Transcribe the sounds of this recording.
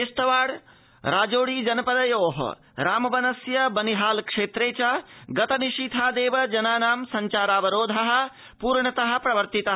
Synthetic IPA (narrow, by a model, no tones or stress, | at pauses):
est̪ɐʋaːɽ | ɾaːd͡ʒoːɽiːd͡ʒɐnɐpɐd̪ɐjoːɦɐ̰ | ɾaːmɐbɐnɐsjɐbɐniɦaːlkʂeːt̪ɾeːt͡ʃaɡɐt̪ɐniʂit̪ʰaːd̪eːʋɐd͡ʒɐnaːnaːmsɐɲt͡ʃaːɾaːʋɐɾoːd̪ʱɐɦɐ̆ | puːɾɳɐt̪ɐɦɐ̆pɾɐʋɐɾt̪it̪ɐɦɐ